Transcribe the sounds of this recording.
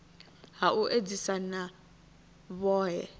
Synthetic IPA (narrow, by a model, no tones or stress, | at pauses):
ɦaʔuʔed͡zisana | βɔːɦɛ